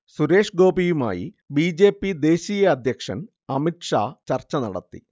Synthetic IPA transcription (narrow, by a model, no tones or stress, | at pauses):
suɾe̞ːʂɡo̞ːbijuma̰ːjḭ | biːd͡ʑe̞ːpːid̪e̞ːɕiːjɐɐd̪ʱjɐkʂɐn | ɐmiʈʂa̰ːt͡ɕɐrt͡ɕːɐnɐɽɐ̰t̪ːḭ